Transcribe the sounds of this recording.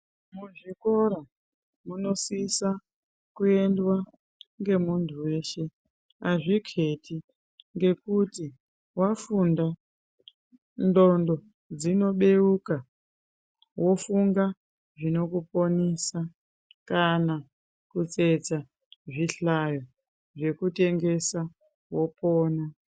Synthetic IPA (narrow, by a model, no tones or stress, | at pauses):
muʐiko̞ɾa | muno̞sisa | kue̞ndwa | ŋɡe̞muntʰuwe̞ːʃe̞ | aʐikʰeti | ŋɡe̞kuti | wafunda | ndo̞ndo̞ | d͡zino̞ɓe̞uka | wʔo̞fuŋɡa | ʐino̞kupo̞nisa | kana | kut͡set͡sa | ʐiɬajo | ʐe̞kute̞ŋɡe̞sa | wo̞poːna